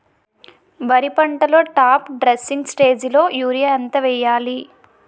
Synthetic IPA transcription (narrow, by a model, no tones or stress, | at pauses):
bɐɾipɐɳʈɐlo̞ːʈaːpɖɾesːiŋɡsʈe̞ːd͡ʒlo̞ːjuːɾijɐɐnt̪ɐʋɛːjaːli